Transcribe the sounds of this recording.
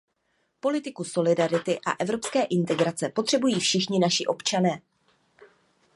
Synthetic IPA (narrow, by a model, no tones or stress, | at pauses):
po̞lɪt̪ɪkuso̞lɪdaɾɪt̪ɪʔa̰ʔɛvɾo̞pskɛːʔɪnt̪ɛɡɾat͡sɛpo̞t̪r̥ɛbujiːfʃɪxɲɪnaʃɪʔo̞pt͡ʃanɛː